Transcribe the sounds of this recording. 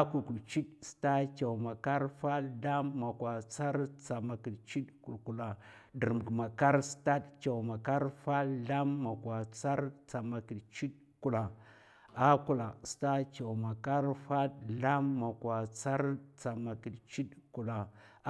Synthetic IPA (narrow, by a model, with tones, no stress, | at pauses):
a˦ku˨ku˨lt͡ʃi˦dsta˦t͡ʃa˨wma˨ka˦ɾfa˦da˦mːa˨kwa˨t͡sa˦ɾt͡sa˨ma˨ki˨dt͡ʃi˦dku˨lku˨la˨ | də˨ɾm˨ma˨ka˦ɾsta˦dt͡ʃa˨ma˨ka˦ɾfa˦ɬa˦mːa˨kwa˨t͡sa˦ɾt͡sa˨ma˨ki˨dt͡ʃi˦t | ku˨la˨ | a˦ku˦˨la˨sta˦t͡ʃa˨wma˨ka˦ɾfa˦ɬa˦mːa˨kwa˨t͡sa˦ɾt͡sa˨ma˨ki˨dt͡ʃi˦dku˨la˨